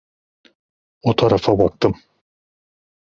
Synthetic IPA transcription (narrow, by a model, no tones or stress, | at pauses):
ot̪ʰaɾafabak̚t̪ɯm